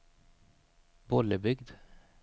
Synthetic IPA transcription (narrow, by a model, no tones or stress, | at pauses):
bɔləbʏɡd̪